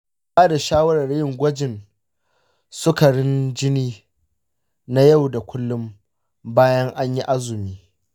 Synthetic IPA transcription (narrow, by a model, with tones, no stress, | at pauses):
baː˦da˨ʃaː˦wɐ˦ɾɐ˨rjɪ˦˨ŋɡʷɐ˦d͡ʒɪ˨n | sʊ˦ka˨ɽɪ˦nd͡ʒɪ˦niː˦ | na˦ja˦˨wda˨kʷʰʊ˦lːʊ˦m | baː˦jɐ˦ŋʔa˦ɲji˦ʔa˦zʊ˨miː˦